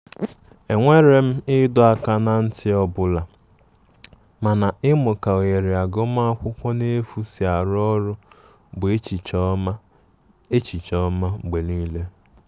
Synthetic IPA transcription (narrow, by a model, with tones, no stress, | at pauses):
e˨ŋʷe˦ɾe˨m̩˦ɪ˦dʊ˦a˨ka˦na˨n̩˦tɪ˦ɔ˦bʊ˨la˨ | ma˨na˨ʔɪ˦mʊ˨ka˨o˨je˨ɾi˨a˨ɡo˦m˦a˦a˦kʷʊ˦kʷɔ˦ne˦fu˦si˨a˨ɾɔ˦ɾʊ˦ | bʊ˨˦˨ | e˦t͡ʃi˨t͡ʃɔ˦ma˦˨ɡ͡be˨niː˦le˦